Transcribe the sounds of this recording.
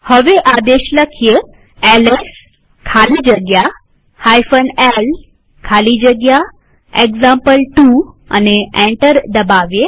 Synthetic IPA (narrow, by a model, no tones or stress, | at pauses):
həʋeʔad̪eɕləkʰje | ɛles | kʰaliːd͡ʑəɡja | hajfənɛl | kʰalid͡ʑəɡja | ekzampəlʈu | a̰neɛ̃ɳʈəɾd̪əbaʋje